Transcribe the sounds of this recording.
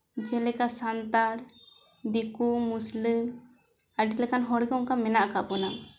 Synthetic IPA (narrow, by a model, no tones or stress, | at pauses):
d͡ʒɛlɛkasant̪aɾ | ɖikumuslim | aɖit̪lɛkanɦɔɽɡɔŋkamɛnaʔkapɔna